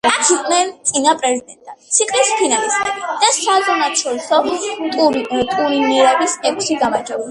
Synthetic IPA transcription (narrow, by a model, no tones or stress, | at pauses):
t̪ʰikʼnɛɾt̪sʼinapʼɾɛzid̪ɛnt̪ʼʰant̪sʰiqʼlispʰinalismʼɛdid̪̥asazɔnat̪ʃʰɔɾisɔt̪ʼuɾt̪ʼuɾiniɛɾɛbisɛkʰsiɡamad͡ʒɛuli